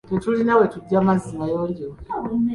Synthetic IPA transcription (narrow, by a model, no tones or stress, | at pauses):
detulinawetuɟamazimajoɲɟow